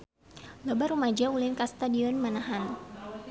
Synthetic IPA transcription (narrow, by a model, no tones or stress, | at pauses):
lɔbarumad͡ʒaulɪnkast̪adiɔnmanaɦan